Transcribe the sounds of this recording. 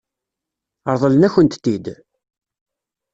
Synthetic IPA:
əɾˤðˤəlnæçənt̪t̪ːid̪

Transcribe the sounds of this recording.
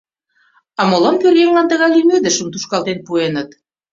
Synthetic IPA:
ɑmolɑnpøljeŋlɑnt̪əɣɑjlymød̪ə̆ʃə̆mt̪uʃkɑlt̪enpuenət̪

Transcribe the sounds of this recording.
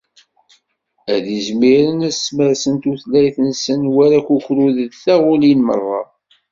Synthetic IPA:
æðizmiɾənæsməɾsənt̪uθlæjθənsənwæɾækukɾuðəðθæʁʊlinmə̰rˤːɑ̰

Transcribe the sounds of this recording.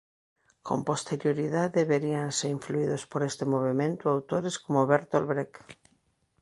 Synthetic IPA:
kʰo̰mpost̪eɾjoɾiðaðeβeɾianseɾiɱfluiðospoɾest̪emoβ̞emẽnt̪ʊawt̪oɾeskomoβeɾt̪olβɾek

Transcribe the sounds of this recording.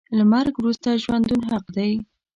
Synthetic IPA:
lamaɾɡwɾust̪aʒwand̪unɦaqd̪aj

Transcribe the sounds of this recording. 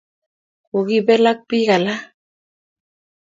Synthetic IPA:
oɣibelak̚piɣala

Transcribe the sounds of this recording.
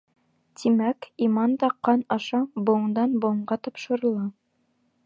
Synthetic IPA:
t̪ʰimækimɑnd̪ɑqɑnɑʃɑbŏɴd̪ɑnbŏɴɢɑt̪ɑpʃɤ̆ɾɤ̆lˠɑ

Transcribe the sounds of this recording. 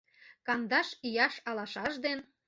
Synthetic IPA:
kɑnd̪ɑʃyjɑʃɑlɑʃɑʒd̪en

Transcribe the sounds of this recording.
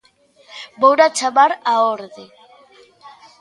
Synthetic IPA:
bowɾat͡ʃaβaɾaoɾðe

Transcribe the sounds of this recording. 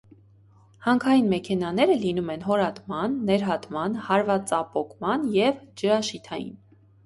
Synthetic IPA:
hɑŋkʰɑjinmɛkʰɛnɑnɛɾəlinumɛnɦɔɾɑt̪mɑnːɛɾɦɑt̪mɑnhɑɾvɑt͡sɑpɔkʰmɑnjɛvd͡ʒəɾɑʃit̪ʰɑjḭn

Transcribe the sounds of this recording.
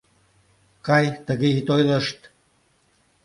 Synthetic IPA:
kɑjt̪əɣeit̪ojlə̆ʃt̪

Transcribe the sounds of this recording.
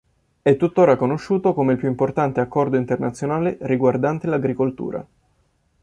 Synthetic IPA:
ɛt̪ːut̪ːoːɾakonoʃːuːt̪okomeilpjuimport̪ant̪eakːɔrd̪oint̪ernat̪sːjonaːleɾiɡward̪ant̪elaɡɾikolt̪ṵːɾa̰

